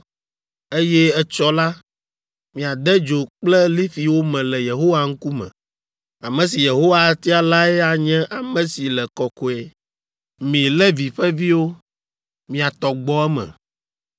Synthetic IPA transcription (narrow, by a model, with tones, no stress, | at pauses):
e˦jɛ˦ɛ˦t͡ʃɔ˦la˦ | mĩ˨a˨d̪ɛ˦d͡ʒo˨k͡plɛ˦li˦fi˨wo˦mɛ̃˨lɛ˨je˨ɦo˦wa˨ŋ̩˦ku˦mɛ̰̃˨ | a˨mɛ̃˨si˨je˨ɦo˦wa˨˦t̪i˦a˨la˦ɛ˦a˨ɲɛ̃˦ʔa˨mɛ̃˨si˨lɛ˨kɔ˨kɔ˨ɛ˨ | mĩ˨lɛ˦vi˨ɸɛ˦vi˦wo˦ | mĩ˨a˨t̪ɔ˨ɡ͡bɔ˦ɛ˦mɛ̰̃˨